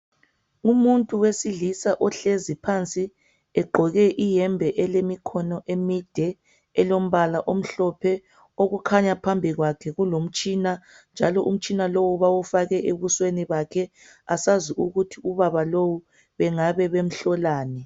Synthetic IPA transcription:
umuntʼuwesiɮisaʔɔɬezipʰant͡sʼi | ɛɡ͡ǃʱɔɣɛʔijɛmbʱɛʔɛlemikʰɔnɔʔemid̥ʱɛ | ɛlom̩βalaʔom̩ɬɔpʰɛ | oɣukʰaɲapʰambʱiɣwakʰɛɣulom̩t͡ʃʼiːna | nd͡ʒʱalɔʔum̩t͡ʃʼinalowuβawufaɣɛʔeβusweniβakʰɛ | asaziʔuɣutʰiuβaβalowu | βɛŋaβɛβem̩ɬɔlaːnɛ

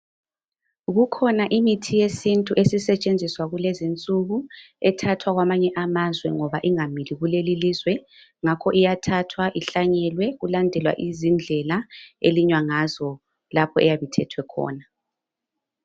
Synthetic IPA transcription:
ɣukʰɔnaʔimitʰijesintʼuʔesisɛt͡ʃʼend͡zʱiswaɣulɛzint͡sʼuɣu | ɛtʰatʰwaɣwamaɲɛʔamazwɛŋɔβaʔiŋamiliɣulelilizwɛ | ŋakʰɔʔijatʰatʰwaʔiɬaɲɛlwɛɣulandʱɛlwa̰ʔizind͡ɮʱɛlaeliɲwaŋazɔ | lapʰɔɛjaβitʰɛtʰwɛkʰɔ̰ːna

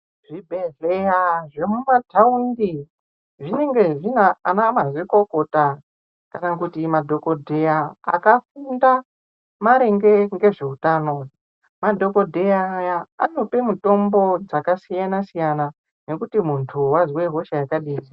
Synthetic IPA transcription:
ʐ̥ibʱe̞ɮejaʐemumadʰʱaundi | ʐine̞ŋɡe̞ʐinaanamazwiko̞ko̞ta | kanakutimadʱo̞ko̞dʱe̞ja̰ːkafunda | maɾeŋɡeŋɡe̞ʐe̞utano | madʱo̞ko̞dʱe̞aːjaa̰no̞pe̞muto̞mbo̞d͡zakasijanasijana | ne̞kutimuntʰuwazweɦo̞ʃajakaɗiːzi

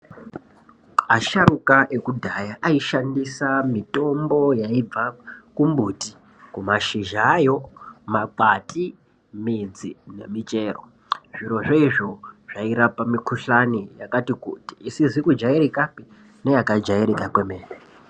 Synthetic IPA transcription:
aʃarukaʔe̞kudʱajaʔaiʃandisamito̞mbo̞jaib͡vakumbuti | kumaʃiʒajo̞maǃatʰʼi | mid͡zine̞̰mit͡ʃʼe̞ːro̰ | ʐiɾo̞ʐeiʐo̞ʐ̥aiɾapamikʰuɬanijakatikṵti̥ːsizikud͡ʒaiɾekapi | ne̞jakad͡ʒaiɾekakwe̞meːre

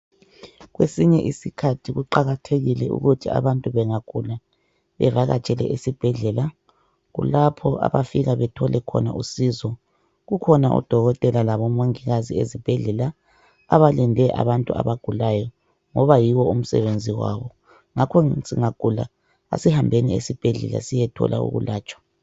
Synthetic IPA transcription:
ɣwesiɲɛʔisikʰatʰiɣuǃaɣatʰeɣilɛṵɣutʰia̰βantʼuβɛŋaɡ̥ʱula | βɛvaɣa̰t͡ʃʼɛlɛ̰ʔesib̥ʱɛɮɛla | ɣṵlapʰɔʔa̰βafiɣaβɛtʰɔlɛkʰɔ̰na̰ʔusizɔ | ɣukʰɔnaʔṵd̥ʱɔɣɔtʼɛlalaβɔmoŋiɣaziezib̥ʱɛɮɛla | aβalindʱɛʔa̰βantʼua̰βaɡ̥ʱulajɔ | ŋɔβajiwɔum̩sɛ̰βend͡zʱiwa̰ːβɔ | ŋakʰɔsiŋaɡ̥ʱula̰ | a̰sihambʱeniḛsib̥ʱɛɮɛ̰la̰sijɛtʰɔ̰lʔa̰ṵɣṵlaːt͡ʃʼwḁ

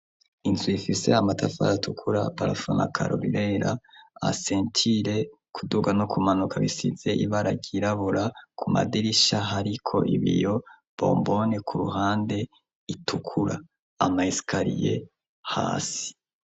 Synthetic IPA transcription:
inziifise̞̰amatʰafa̰ɾatʰukʰuɾapaɾafona̰kʰa̰ɾo̰βiɾe̞ɾaa̰se̞ːntʰiɾe̞ | kʰuduɡanokʰumanukʰaβisize̞ʔiβaɾaɟiɾaβuɾakʰuma̰diɾiʃaɦaɾikʰo̞̰ʔiβḭjo̞ | bo̞̰ːmbo̞ne̞kʰuɾuɦaːnde̞ | itukʰuɾa | amaisi̥kʰaɾije̞̰ | ha̰ːsi̥

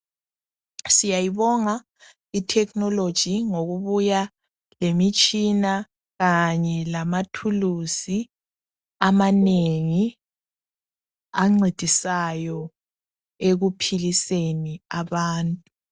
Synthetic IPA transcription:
sijajiβɔŋa | itʰɛkʰʼnɔlod̥ʒ̥ʱiŋoɣuβuja | lemit͡ʃʼina | ɣaɲɛlamatʰulusi | amaneŋi | aŋ͡ǀed̥ʱisajɔ | eɣupʰiliseniaβaːntʼu

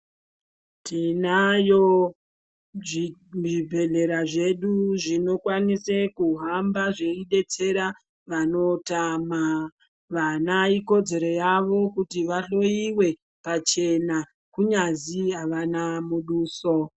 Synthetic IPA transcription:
tinajo | ʐibʱe̞ɮe̞ɾaʐe̞ɗuʐino̞kwanisekuɦambaʐe̞iɗe̞t͡se̞ɾa | ʋano̞tama | ʋanaiko̞d͡ze̞ɾo̞jaʋo̞kutiʋaɬo̞iwe̞ | pat͡ʃe̞na | kuɲaziɦaʋanamuɗuːso

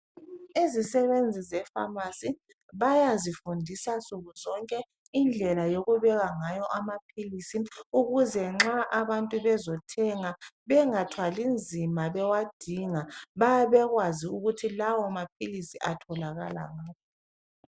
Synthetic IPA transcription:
izisɛβend͡zʱizɛfa̰masi | βajazifundʱisasuɣuzɔŋkʼɛ | ind͡ɮʱɛlajoɣuβɛɣaŋajɔʔamapʰilisiuɣuzɛŋ͡ǁaʔaβantʼuβɛzɔtʰɛŋaβɛŋatʰwalind͡zʱimaβɛwad̥ʱiŋaβajaβɛɣwaziuɣutʰilawɔamapʰilisiʔatʰɔlaɣala̰ŋaːp̚ʰɔ

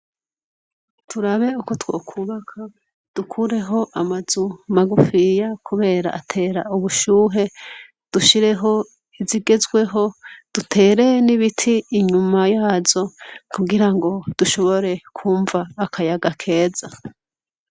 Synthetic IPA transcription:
tʰuɾaβe̞uko̞two̞̰ːkʰuβakʰa | d̥ukʰuɾe̞ɦo̞ʔamazumaɡufijakʰuβe̞ːɾa̰ʔatʰe̞ːɾauβuʃuːɦe̞ | d̥uʃiɾe̞ɦo̞ | iziɡe̞zɡwe̞ɦo̞d̥utʰe̞ːɾe̞niβitʰiːɲumajaːzo̞kuɡiɾaŋɡo̞d̥uʃo̞βo̞ɾe̞kʰuːɱvaːkʰajaɡakʰe̞ːza

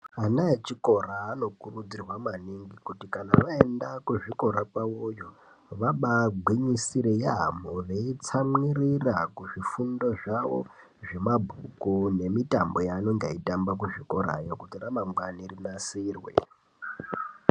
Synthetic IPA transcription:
anaet͡ʃiko̞raːno̞kurud͡zirwamaniŋɡikutikanaʋaendakuʐiko̞ɾapaojo | ʋaɓaɡʱwiɲisiɾejaɦamoreit͡samirirakuʐifundo̞ʐaʋo̞̰ | ʐe̞mabʱukune̞mitambo̞jaːno̞ŋɡeitambak̬uʐiko̞ɾa̰jokutiramaŋɡwanirinasiːrwḛ

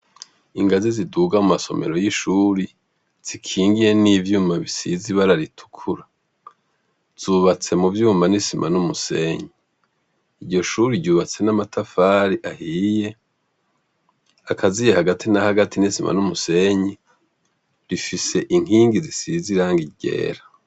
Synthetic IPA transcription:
iŋɡaziziduːɡamumaso̞̰me̞̰ɾo̞jiʃuːɾi | z̥ikʰiːŋɡije̞nivjuːmaβisiziβaɾaɾitʰu̥kʰuɾa | z̥uːβat͡se̞muvjuːmanisimʔa̰numuse̞ɲi | iɟo̞ʃuːɾiɾɟuːβat͡se̞namatʰafaːɾiʔahije̞ | akʰazijehaɡatʰinahaɡatʰinisimʔa̰numuse̞ɲi | ɾifise̞ʔiŋ̥iːŋɡizisiziɾaːŋɡiɟe̞̰ːɾa

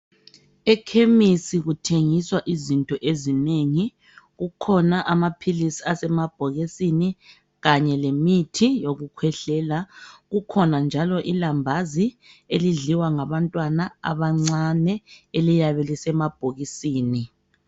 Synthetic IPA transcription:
ɛkʰemisiɣutʰeŋiswaʔizintʼɔʔezineŋi | ɣukʰɔnaʔamapʰilisiasɛmab̥ʱoɣisini | ɣaɲɛlemitʰijoɣukʰwɛɬɛːlaɣukʰɔnand͡ʒʱalɔʔilambʱazi | eliɮiwaŋaβantʼwanaa̰βaŋ͡ǀanɛelijaβɛlisɛmab̥ʱoɣisiːni

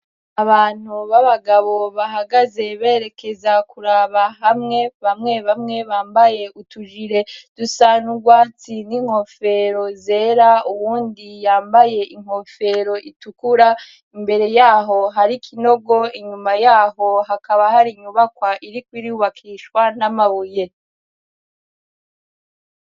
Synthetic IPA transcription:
aβaːn̥uβaβaɡaβo̞βaɦaɡaze̞βeːɾe̞ke̞zakuɾaːβaɦamŋe̞βamŋe̞βamŋe̞βaːmbaje̞ʔutuʒiɾe̞d̥usanuɡwaːt͡siniŋ̥ho̞fe̞ɾo̞ze̞ːɾauβuːndijaːmbaje̞ʔiŋ̥ho̞fe̞ɾo̞ʔitukuɾa | imbe̞ɾe̞jaːɦo̞ɦaɾikʰino̞ɡo̞iɲumajaːɦo̞ɦakaβahaɾiɲuβakwaʔiɾikwiɾiuβakʰiʃwanamaβuje̞

